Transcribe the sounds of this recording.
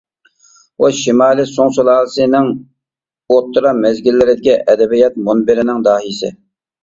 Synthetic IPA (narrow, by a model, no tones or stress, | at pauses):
wɑʃimɑːlˠɪsoŋsulˠɑːlsɨnɪŋ | ot̪ʰːɨɾɑmɛzɡʲɪlːɪɾɪd̪ɪɡʲɛʔɛd̪ɛbijɑt̪̚monbɪɾɪnɪŋd̪ɑːɦijsɪ̰